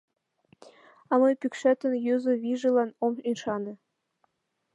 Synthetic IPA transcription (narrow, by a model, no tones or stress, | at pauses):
ɑmɤjpʲykʃæt̪ɘ̆njøzɤ̆βʲiʒɘ̆lˠɑnominʃɑnɤ̆